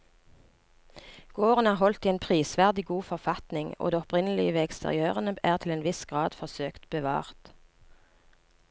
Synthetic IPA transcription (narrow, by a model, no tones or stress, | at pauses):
ɡ̥oːʁənæːʁhɔlt̪iːeːnpʰʁiːsʋæʁd̪ɪɡuːfɔʁfɑt̪nɪŋo̰ːd̪eːɔpʁɪnəlɪəʋeːɛkst̪ʰə̰ʁɪ̰øːʁənəʔæːʁt̪ʰɪleːnʋɪsɡ̥ʁɑːd̪fɔʁsøːkt̪bəʋɑ̰ːʁt̪